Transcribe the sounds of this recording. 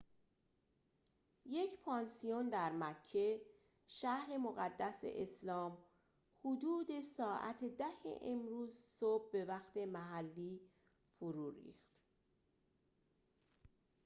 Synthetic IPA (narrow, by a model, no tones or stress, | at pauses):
je̞cʰpʰɒːnsijond̪æɾmæcʰːe̞ | ʃæhɾe̞moɣæd̪ːæsḛʔeslɒːm | hud̪uːd̪e̞sɒːʔæ̰t̪ʰed̪æhḛʔemɾuːzsob̚ːe̞væxt̪ʰe̞mæɦælːiː | foɾuːɾḭːxt̪